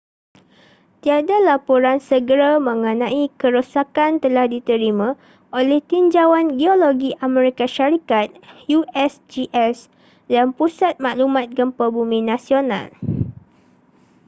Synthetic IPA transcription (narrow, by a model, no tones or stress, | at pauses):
t̪iadalapoɾansəɡəɾamə̃ŋə̃nãikəɾosakant̪əlahdit̪əɾimã | ʔolɛht̪iɲd͡ʒawanɡioloɡiʔamɛ̃ɾikaʃaɾikat̪̚juɛsd͡ʒiʔɛs | danpusat̪̚mãʔlumãt̪̚ɡəmpabumĩnãsiona̰l